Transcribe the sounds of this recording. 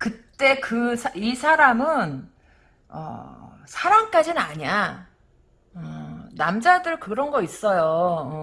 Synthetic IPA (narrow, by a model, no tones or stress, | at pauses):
kɯt͈e̞kɯsʰisʰaɾamɯn | ʌ̰sʰaɾaŋk͈ad͡ʑinɯna̰ɲa | ʌnamd͡ʑadɯɭkɯɾʌnɡʌis͈ʌjoɯ